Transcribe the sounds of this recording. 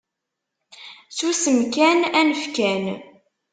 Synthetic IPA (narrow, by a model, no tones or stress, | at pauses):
susəmkænænəfkæn